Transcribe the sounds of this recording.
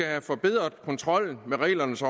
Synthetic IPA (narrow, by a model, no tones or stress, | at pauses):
æhæfɒ̽b̥e̝ð̞̰ˠʁɐðˠkʰɒ̽nt͡sʰʁɒ̽l̰n̩meʁɛ̰ːlɐnəsɒ